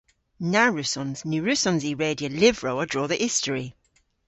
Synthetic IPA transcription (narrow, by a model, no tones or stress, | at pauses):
naɹʉsɔ̃nznʉːɹʉsɔ̃nziːɹeːdiəlɪvɹoʊədɹɔːðiʔɪstəɹi